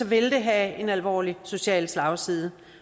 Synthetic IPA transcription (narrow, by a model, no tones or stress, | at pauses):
ɒ̽ʋe̝ld̥e̝ɦæe̝nælʋɒ̰ːliso̝ɕɛ̰ːlslɑ̈ʊsiðˠə